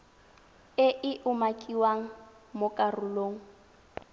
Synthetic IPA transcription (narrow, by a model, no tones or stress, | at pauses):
ɪʔɪʔʊmakʼiwaŋ̩ | mokʼarʊloːŋ̩